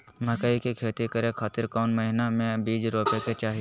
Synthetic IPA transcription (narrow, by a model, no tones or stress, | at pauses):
mʱəkaːikekʰeːt̪ikəɾẽkʰaːt̪ɪɾkaːnməɦɪnamẽbiːd͡ʒɾoːpeket͡ʃaːɦi